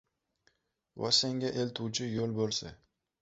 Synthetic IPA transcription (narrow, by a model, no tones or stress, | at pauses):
wa̰seŋɡʲaʔelt̪ʰuwt͡ʃʰɪjolbolˠsɪ̰